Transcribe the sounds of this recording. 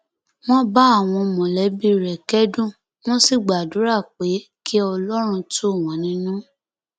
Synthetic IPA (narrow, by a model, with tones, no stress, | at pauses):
w̃ɔ̃˦ba˦a˦˨w̃ɔ̃˧mɔ̃˨lɛ˨˦bi˦ɾɛ˨kɛ˦dũ˦˨ | m̃ɔ̃˦si˦˨ɡ͡ba˨du˨˦ɾa˦˨k͡pe˨˦ | kʰi˦ɔ˧lɔ˦ɾ̃ũ˧tu˦˨w̃ɔ̃˨˦nĩ˧˦nũ˦